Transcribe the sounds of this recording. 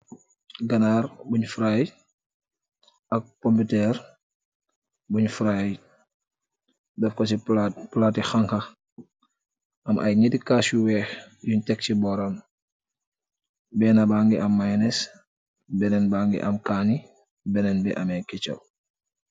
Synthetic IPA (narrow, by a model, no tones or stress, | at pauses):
ɡɐnaːɾbuɲfɾaj | ɐk̚kompitɛɾ | buɲfɾaj | dɐfkɐsiplatixaŋkɐ | ɐmʔɐ̰jɲidikasjuwɛːx | juɲtɛk̚t͡ʃibɔɾɐn | bɛːnɐbaŋɡiʔɐmːajnɛs | bɛnɛnbaŋɡḭʔɐ̰mkaːni | bɛnɛnbɛʔɐmɛkɛt͡ʃɐ̰w